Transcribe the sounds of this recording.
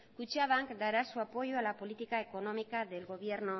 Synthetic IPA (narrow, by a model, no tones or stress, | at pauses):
kut͡ʃiaβaŋkd̪aɾasuapo̞joalapo̞lit̪ikae̞ko̞no̞mikaðelɣo̞βje̞ɾno